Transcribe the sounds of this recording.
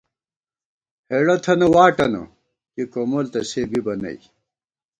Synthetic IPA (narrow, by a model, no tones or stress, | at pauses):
heɽɐt̪ʰɐnɐwaːʈɐnɐ̰ | kikomolt̪ɐseːbibɐnɐ̰ij